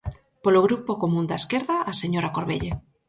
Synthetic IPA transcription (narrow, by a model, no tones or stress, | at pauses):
poloɣ̞ɾupokomũnd̪aeskeɾðaːseɲoɾakoɾβḛʎe